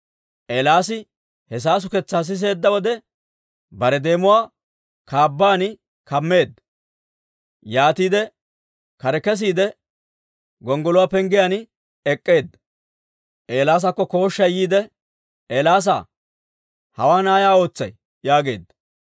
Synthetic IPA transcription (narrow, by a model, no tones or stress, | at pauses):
ʔeːlaːsɪ | hɛs̬aːs̬ʊkɛt͡sːaːs̬ɪs̬e̞ːd̪ːɐwɔd̪ɛ | bɐɾɛd̪e̞ːmʊwaː | kaːbːaːnɪ | kɐmːe̞ːd̪ːɐ | jaːt̪iːd̪ɛ | kɐɾɛkɛs̬iːd̪ɛ | ɡɔŋɡɔlʊwaːpɛŋɡɪjan | ɛkʼːe̞ːd̪ːɐ̥ | ʔeːlaːs̬ɐkːɔko̞ːʃːɐjiːd̪ɛ | ʔeːlaːs̬a̰ | hɐ̰waːnaːjaːo̞ːt͡sːɐj | jaːɡe̞ːd̪ːɐ̥